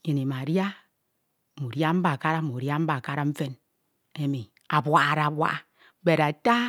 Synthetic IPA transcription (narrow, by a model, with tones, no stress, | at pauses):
ji˨ni˨ma˨ɾja˦˨ | mu˨ɾja˦m̩˦ba˨ka˦ɾa˦mu˨ɾja˦m̩˦ba˨ka˦ɾa˦m̩˦fe˦n | e˦mi˨ | a˨bwa˦˨ɾa˨bwa̰˦ | be˨ɾa˨ta˦